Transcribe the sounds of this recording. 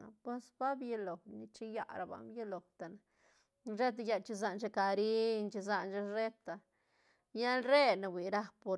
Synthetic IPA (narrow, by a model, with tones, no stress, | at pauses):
pwe˦sba˦bje˧lo˨ni˧t͡ʃi˦ja̰˦ɾa˨ba̰˨mbje˦lo˨wt̪a˨na˨ | ʐe˦t̪̬a˧ja˧t͡ʃi˧za˧nt͡ʃa˧ka˨ɾi˦nt͡ʃi˧za˧nt͡ʃa˦ɾe˦t̪ːa˨ | ja˦lɾe˦na˨bwi˨ɾa˦po˧ɾ